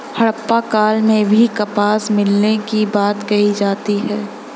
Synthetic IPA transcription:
hɐɽpːakaːlmẽbʱikɐpaːsmɪlnekibaːt̪ɡɐid͡ʒaːt̪iɦɛː

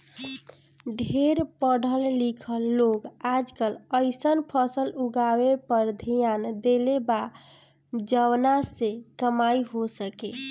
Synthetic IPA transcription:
ɖʱeɾpəɽ̤ʱəlːikʰəlːoɡad͡ʒkələɪsənpʰəsəluɡawepəɾd̪ʱijand̪eleba | d͡ʒəwnasekəmaiɦosəke

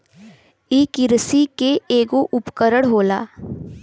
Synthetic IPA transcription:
iːkɪɾsikeeːɡoʔʊpkəɾəɽɦoːla̰ː

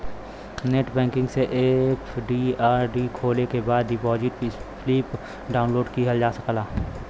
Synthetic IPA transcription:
neːʈbɛ̃ːŋkɪ̃ŋɡseʔepʰɖiaːɾɖiːkʰoːlekebaːd̪ibɔːd͡ʒit̪ifliːp | ɖaːʊ̃nloːɖkiɦəld͡ʒaːsəklaː

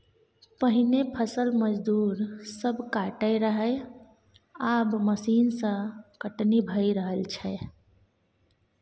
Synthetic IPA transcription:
pəɦinepʰəsəlməd͡ʒd̪uːɾsəbʱkaʈəɪɾəɦəj | abməsiːnsə̃kəʈnibʱəjɾəɦəlt͡ʃʰɛ

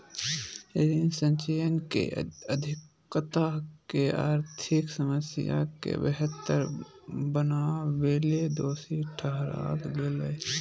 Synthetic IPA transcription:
eɾinsə̃ɲt͡ʃejənkḛəd̪ʱɪkː | t̪akeaːɾt̪ʰɪksəməsɪja̰kḛbəɦət̪ːəɾ | bənaʋeːled̪oːsiʈʰəɦɾa̰ːlɡele

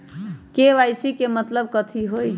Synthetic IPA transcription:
keʋajsikemət̪ləb̚kət̪ʰiɦoj

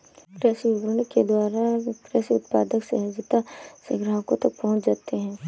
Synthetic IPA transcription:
kɾɛːsiʊbɾneked̪waːɾakɾɛːsiʊt̪̚pa̰ːd̪əksḛɦɐd͡ʒɪt̪aseɡɾaɦkot̪ɐk̚pɐɦʊ̃t͡ʃd͡ʒaːt̪eɦɛ̃ː

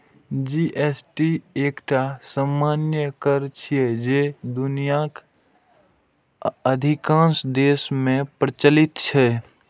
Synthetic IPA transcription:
d͡ʒiʔesʈieːkʈʰasamːaːnjəkəɾt͡ʃʰiɛd͡ʒed̪ʊnijak | əd̪ʱikãːnsd̪eːsmẽpɾət͡ʃəlɪt̪t͡ʃʰɛ

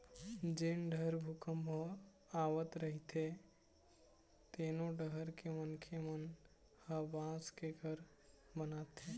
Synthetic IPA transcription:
d͡ʒeːnɖʱəɾbʱukəmbʱo | aːwət̪ɾəɦit̪ʰe | t̪eːnoɖəɦəɾkemənkʰemən | həbãːskeɡəɾ | mənaːt̪eː

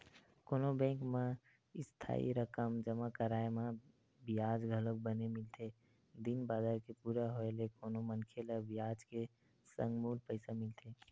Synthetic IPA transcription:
koːnobɛ̃ːŋkmã | ɪst̪ʰa̰ːḭɾəkəmd͡ʒəmakəɾaːemã | bijaːd͡ʒɡʱəlok̚bənemɪlt̪ʰe | d̪inbaːd̪aːɾkepuːɾaɦoelekoːnomənkʰeləbijaːd͡ʒke | sə̰̃ŋɡmuːlpəɪsamɪlt̪ʰeː

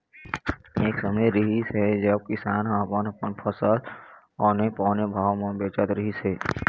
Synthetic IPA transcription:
eːksəməjɾɪɦisɦɛd͡ʒəb̚kɪsaːnɦəpənəpənpʰəsəl | ɔːnẽpɔ̃ːnebʱaːwmẽbeːt͡ʃət̪ɾɪɦisɦeː

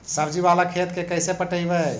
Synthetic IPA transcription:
səbd͡ʒiβalakʰet̪kekəjsepəʈəjbə

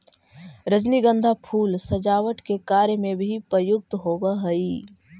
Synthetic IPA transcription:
ɾəd͡ʒniɡə̃nd̪ʱapʰuːlsəd͡ʒaːʋəʈkekaɾjmebʱipɾəjʊk̚t̪ɦobəɦəi

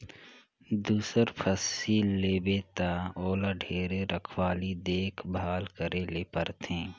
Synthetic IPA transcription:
d̪uːsəɾpʰəsiːlːeːbeːt̪aoːlaɖʱeːɾeɾəkʰwaːlid̪eːkʰbʱaːlkəɾeleːpəɾt̪ẽː

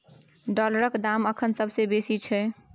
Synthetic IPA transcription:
ɖɔləɾəkd̪aməkʰənsəbʱsebesit͡ʃʰɛ

